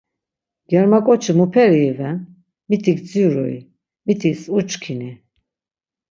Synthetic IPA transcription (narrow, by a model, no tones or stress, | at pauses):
ɡ̥ɛɾmakʼɔt͡ʃʰimupʰɛɾiːvɛn | mit̪ʰikʰd͡ziuɾɔ̰ḭ | mit̪ʰisut͡ʃkʰini